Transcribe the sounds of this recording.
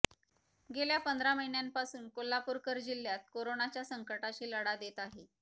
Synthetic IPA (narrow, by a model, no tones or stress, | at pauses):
ɡeljapənd̪ʱɾaməjinjanpasuːnkolːapuɾkəɾd͡ʑilːjat̪̚koɾonat͡ɕjasəŋkəʈaɕiːləɽad̪et̪aɦe